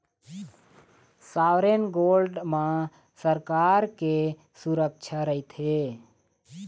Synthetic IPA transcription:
sawɾenɡolɖmã | səɾkaɾke | suɾək̚t͡ʃʰaɾəit̪ʰe

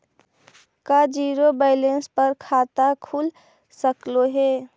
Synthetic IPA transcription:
kad͡ʒiːɾobaɪlenspəɾkʰat̪akʰul | səkloɦe

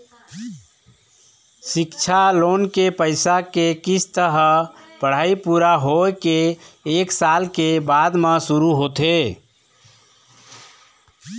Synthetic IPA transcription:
sikt͡ʃʰalonkepəɪsakekisʰt̪əɦə | pəɽ̤aipuɾaɦoekeːksalkebad̪mesuɾuɦot̪e

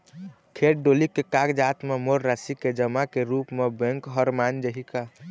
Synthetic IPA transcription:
kʰeʈ̚ɖolikekaɡd͡ʒat̪memoɾːasiked͡ʒəmakeɾupmebẽŋkɦəɾmand͡ʒəɦika

